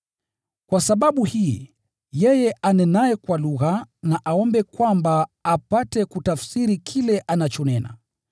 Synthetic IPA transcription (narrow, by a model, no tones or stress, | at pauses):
kwasaɓaɓuhiː | jɛjɛʔanɛnaɛkwaluɣanaʔaɔmbɛkwambaːpatɛkutafsiɾikʰilɛʔanat͡ʃɔnɛna̰